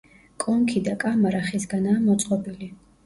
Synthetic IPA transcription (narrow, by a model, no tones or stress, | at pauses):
kʼɔŋkʰid̪akʼamaɾaχisɡanaːmɔt̪sʼqʼɔbili